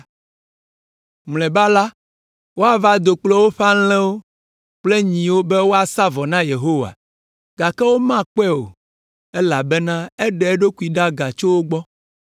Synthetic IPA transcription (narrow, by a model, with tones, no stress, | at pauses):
mlɛ̃˨ba˦la˦ | wo˦a˨va˦d̪o˨k͡plɔ˦wo˦ɸa˦lɛ̃˦wo˦ | k͡ple˦ɲĩ˨wo˦be˦wo˦a˨sa˦vɔ˨nã˦je˨ɦo˦wa̰˨ | ɡ̥a˨kɛ˦wo˦mã˦k͡pɛ˦o̰˨ | ɛ˦la˨bɛ˦nã˦e˦ɖɛ˨ɛ˦ɖo˦ku˨i˨ɖa˦ɡa˨t͡ʃo˦wo˦ɡ͡bɔ˦